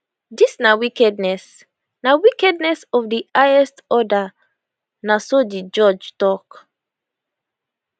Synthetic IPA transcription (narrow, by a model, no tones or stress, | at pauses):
disnawikɛdnɛs | nawikɛdnɛsɔfdiaɛstɔda | nasodid͡ʒɔd͡ʒtɔk